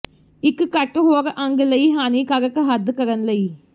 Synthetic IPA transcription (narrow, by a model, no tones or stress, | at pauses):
ikːɨkɐʈːuɦoːɾɐʔɐŋɡɐlɐjiɦaːniːkɐɡɐkːɐɦɐd̪ːɨkɐɾɐnlɐji